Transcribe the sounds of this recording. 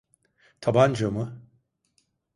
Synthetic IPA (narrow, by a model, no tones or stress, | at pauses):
t̪ʰaband͡ʒomɯ